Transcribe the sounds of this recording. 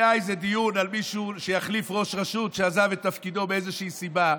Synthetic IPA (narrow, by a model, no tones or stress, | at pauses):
aezed̪ijunalmiʃuʃe̞jaχlifʁo̞ʃʁaʃutʃeazavetːafkid̪o̞beezeʃiisiba